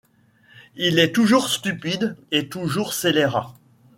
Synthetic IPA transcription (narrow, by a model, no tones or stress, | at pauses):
ilɛt̪uʒuʁst̪ypid̪et̪uʒuʁseleʁã